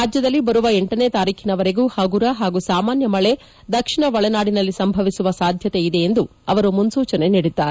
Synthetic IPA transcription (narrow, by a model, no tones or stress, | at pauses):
ɾaːd͡ʒjɐd̪ɐlːibɐɾuʋɐeɳʈɐnet̪aːɾiːkʰinɐʋɐɾe̞ɡuːhɐɡuɾɐɦaːɡusaːmaːnjɐmɐɭe̞ | d̪ɐkʂiɳɐʋɐɭɐnaːɽinɐlːisɐmbʱɐʋisuʋɐsaːd̪ʱjɐt̪e̞id̪e̞ːnd̪u | ɐʋɐɾumunsuːt͡ʃɐne̞niɽid̪ːaːɾe